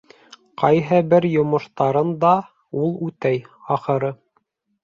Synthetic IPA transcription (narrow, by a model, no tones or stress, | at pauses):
qɑjɦɤbɘɾjŏmŏʃt̪ɑɾɤnd̪ɑ | ulˠʉt̪æjɑχɤ̆ɾɤ